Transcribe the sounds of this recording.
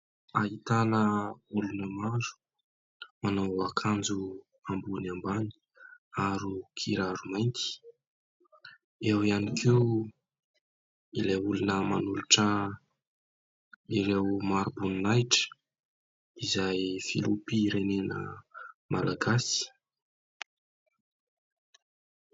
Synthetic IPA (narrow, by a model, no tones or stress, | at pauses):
ait̪anəulunəmaɾu̥ | manawakʰand͡zu | ambunambani̥ | aɾukʰiɾaɾumajnt̪i̥ | ewianikʰew | ilejulinəmanuluʈ͡ʂə | iɾewmaɾubuninajʈ͡ʂə̥ | izajfḭlupiɾenenə̰malaɡasi̥